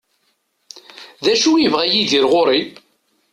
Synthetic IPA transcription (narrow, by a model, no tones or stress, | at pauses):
ðæʃujəvʁæjiðiɾʁoɾˤi